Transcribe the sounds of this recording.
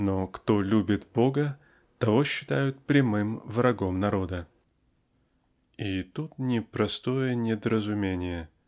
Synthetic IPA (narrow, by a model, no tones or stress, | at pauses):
nokt̪olʲubʲɪt̪bo̞ɡə | t̪ɐvo̞ɕːɪ̥t̪ajʊt̪̚pɾʲɪmɨmvɾɐɡomnɐɾo̞d̪ə | it̪ut̪nʲɪpɾɐst̪o̞jənʲɪd̪əɾəzʊmʲenʲɪjə